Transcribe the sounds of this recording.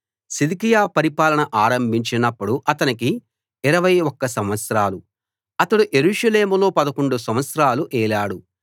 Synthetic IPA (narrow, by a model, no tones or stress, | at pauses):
sid̪ikijaːpɐɾipaːlɐɳɐʔaːɾɐmbʱiɲt͡ʃinɐpːuɽuʔɐt̪ɐnikiː | ɾɐʋɐjɔkːɐsɐmʋɐt̪sɾaːlu | ɐt̪ɐɽuʔe̞ɾuːʂɐle̞ːmulo̞ːpɐd̪ɐkoɳɖusɐmʋɐt̪sɾaːluʔɛːlaːɽu